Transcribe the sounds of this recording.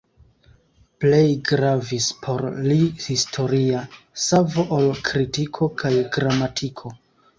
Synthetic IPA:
ple̞jɡɾavispʰo̞ɾlihistʰo̞ɾiasavo̞ʔalkɾitikʰo̞kʰajɡɾamatʰikʰo̞

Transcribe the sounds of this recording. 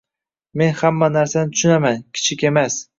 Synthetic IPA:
me̞nhamːanaɾsanɪt̪ʰʊ̥ʃʊnamankʲʰɪ̥t͡ʃʰɪkʲe̞mas

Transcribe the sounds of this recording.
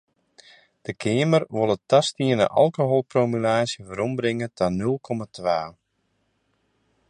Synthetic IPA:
d̥əkʰeːmərʋolˠətastiənə̰ʔɑ̰lˠkoɦolˠpromylaːsjəvəɾɔmbɾɪŋətʰanølˠkʰɔmatʋaː

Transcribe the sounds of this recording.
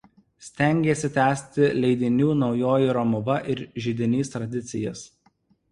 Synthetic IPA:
sʲt̪ʲæŋʲɡʲeːsʲɪt̪ʲæːsʲt̪ʲɪlʲɛɪd̪ʲɪnʲuːnɒʊjoːjɪɾɔmʊʋɐʔɪɾʒʲɪd̪ʲɪnʲiːst̪ɾɐd̪ʲɪt̪sʲɪjɛs

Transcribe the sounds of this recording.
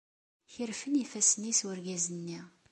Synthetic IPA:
çəɾfənifæsənːiswəɾɡæzənːi

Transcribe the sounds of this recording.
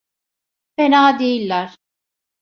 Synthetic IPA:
fenaːd̪ejilʲːæɾ̥

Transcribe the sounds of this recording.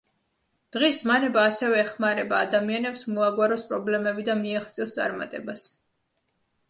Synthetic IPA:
d̪̥ʁiszmanɛbaːsɛvɛːχmaɾɛbaːd̪amianɛpsmɔaɡwaɾɔspʼɾɔblɛmɛbid̪amiaχt̪sʼiɔst̪sʼa̰ɾma̰t̪ʼɛbas

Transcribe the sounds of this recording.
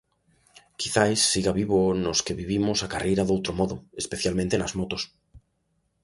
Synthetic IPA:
kiθajsːiɣaβ̞iβ̞onoskeβiβ̞imosakarejɾaðowt̪ɾomoðoespeθjalmẽnt̪enazmot̪os

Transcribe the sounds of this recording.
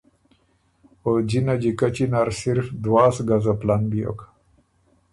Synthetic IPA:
od͡ʑinad͡ʑikat͡ɕinaɾsiɾfd̪waːsɡazaplanbijo̰ka

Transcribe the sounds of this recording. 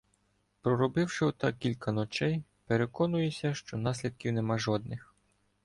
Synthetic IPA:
pɾɔɾɔbɪwʃɪɔt̪ɑkʲilʲkɐnɔt͡ʃɛjpeɾekɔnʊjesʲɐʃt͡ʃɔnɑsʲlʲid̪̚kʲiwnemɑʒɔd̪nɪx

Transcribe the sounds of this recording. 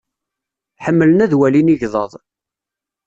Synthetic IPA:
ħəmːələnæðwæliniʝðˤəðˤ

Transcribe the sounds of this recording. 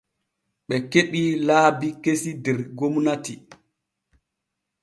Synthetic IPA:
ɓɛkeɗilaːbikesidɛɾɡomnati

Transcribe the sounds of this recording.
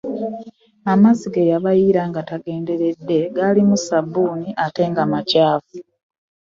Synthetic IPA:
amaziɡejaβajiɾaŋɡataɡe̞ːnde̞ɾe̞d̪ːe̞ɡalimusabːuːniʔate̞ːŋɡamacaːvu

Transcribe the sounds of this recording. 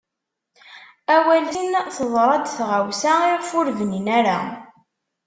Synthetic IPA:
æwælinθəðˤɾˤɑd̪θʁawsaiʁfʊɾvninæɾa̰

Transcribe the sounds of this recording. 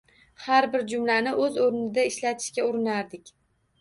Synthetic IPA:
haɾbɪɾd͡ʒʊmlanɪʔɵzoɾnɪd̪aɪʃlat̪ʰɪ̥ʃkʲaʊɾɪnaɾd̪ɪkʲ

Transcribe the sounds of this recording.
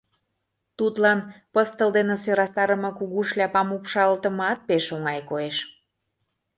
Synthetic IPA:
t̪ut̪lɑnpəst̪ə̆ld̪enesøɾɑst̪ɑɾəmɤ̆kuɣuʃlʲæpɑmupʃɑlt̪əmɑt̪̚peʃoŋɑjkoeʃ

